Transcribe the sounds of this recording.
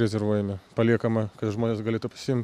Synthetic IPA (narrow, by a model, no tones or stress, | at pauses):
ɾʲɛzʲɛɾʋuɔjɛmʲɪpɐlʲiɛkɐmɐkɐt̪ʒmoːnʲeːsɡɐlʲeːt̪upɐ̥sʲɪɪmʲt̪ʲ